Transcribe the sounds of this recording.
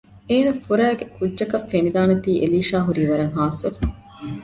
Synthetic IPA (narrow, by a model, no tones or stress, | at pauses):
eːnɐfuɾæːɡekudːɐkɐfenid̪aːnɐt̪iːʔeliːʃaːɦuɾiːʋɐɾɐŋɦaːsʋefɐ